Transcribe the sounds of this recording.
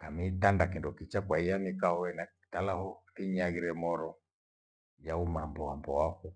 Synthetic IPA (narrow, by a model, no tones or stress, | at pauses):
kamitandakindɔkit͡ʃakwaijanikahɔɛnai̥talahɔθiɲaɣiɾɛmɔɾɔ | jaumambɔambɔwaku